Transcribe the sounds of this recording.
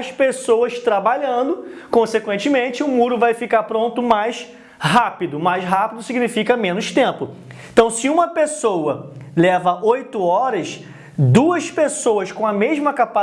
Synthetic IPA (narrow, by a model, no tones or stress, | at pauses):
ʃpesowɐʃt̪ɾabaʎɐ̃nd̪ʊkõsekwẽnt͡ʃɪmẽt͡ʃɪʊmuɾʊvajfikaɾpɾõnt̪ʊmajs | ɦapid̪ʊmajsɦapid̪ʊsiɡinifikɐmẽnʊʃt̪ẽpʊ | ẽt̪ɐ̃w̃sɪũmɐpesowɐlɛvɐʔojt̪ʊɔɾɐs | d̪uɐspesowɐskõɐmeʒmɐkapa